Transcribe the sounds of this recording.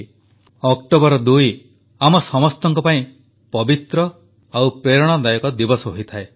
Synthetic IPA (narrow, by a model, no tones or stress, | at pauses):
ɔkʈobɔɾɔd̪uj | amɔsɔmɔst̪ɔŋkɔpaĩ | pɔbit̪ɾɔ | awpɾeɾɔɽ̃ɔd̪ajɔkɔd̪ibɔsɔɦoit̪ʰae